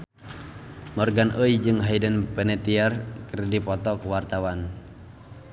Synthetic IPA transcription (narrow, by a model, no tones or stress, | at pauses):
mɔrɡanʔəjd͡ʒɨŋɦajdənpɛnɛt̪iarkərdipɔt̪ɔkəwart̪awan